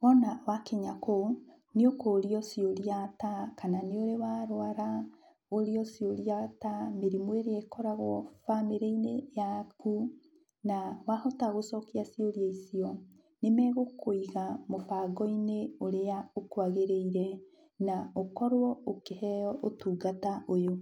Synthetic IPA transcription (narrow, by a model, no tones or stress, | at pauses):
wɔnawakeɲako | niokoːɾiɔsijoɾjatakananeoɾewaɾwaɾa | oɾiɔsijoɾiatameɾimweɾeekɔɾaɣoɔfameɾeinejaku | nawahɔtaɣosɔkiasioɾjaisiɔ | nemɛɣokʰoiɣamopaɡɔineoɾeaokwaɣeɾeiɾɛ | naokɔɾwɔokehɛɔʔotuɡataʔojo